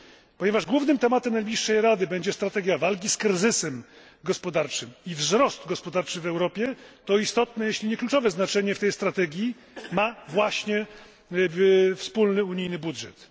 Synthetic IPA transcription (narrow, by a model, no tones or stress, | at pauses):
pɔɲɛvaʐɡwuvnɘmt̪ɛmat̪ɛmnajblʲiʂːɛjɾad̪ɘbɛɲd͡ʑɛst̪ɾat̪ɛɡʲjavalk̬ʲiskɾɘzɘsɛm | ɡɔspɔd̪aɾt͡ʂɘmivzɾɔst̪ɡɔspɔd̪aɾt͡ʂɘvɛwɾɔpʲjɛt̪ɔist̪ɔt̪nɛjeɕlʲiɲɛklut͡ʂɔvɛznat͡ʂɛɲɛft̪ɛjst̪ɾat̪ɛɡʲji | mavwaɕɲɛ | fspulnɘuɲijnɘbudʐɛ̰t̪